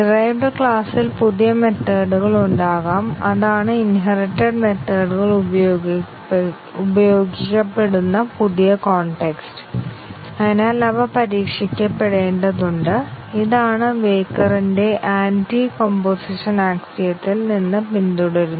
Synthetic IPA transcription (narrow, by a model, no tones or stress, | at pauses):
ɖirɐjʋɖkɭaːsilpuðijɐme̞t̪ːɐːɽuɣɐɭuɳɖaːɣaːmɐðaːɳɨinɦɐriʈːɐɖme̞t̪ːɐːɽuɣɐɭu | ubɐjoo̞ːɡikʲːɐpːe̞ɽunːɐpuðijɐkoːɳʈe̞kstɨ̥ | ɐnaːlɐbɐpɐɾiːkʂikʲːɐpːe̞ɽeːɳɖɐðuɳɖɨiðaːɳɨʋe̞ːkːɐrinde̞ʔaːntikompoːsiʂɐnaːksijɐt̪ːilninːɨpind̪uɽɐɾunː